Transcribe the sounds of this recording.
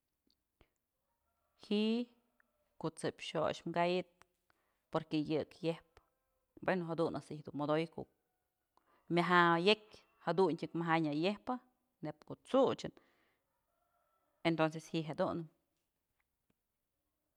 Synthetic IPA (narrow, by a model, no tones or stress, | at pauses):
hiʔ | koʔt͡sɨpʲʃo̰ʃmɡajɨt̪̚ | poɾkejɨkjehp | bwenoɦad̪unʔasihd̪umod̪ojkṵ | mʲaɦajekʲ | had̪untʲɨkmaɦajɲajehpɨ | nepkoʔt͡sut͡ʃɨn | ent̪ons̬eshiʔɦad̪unɨm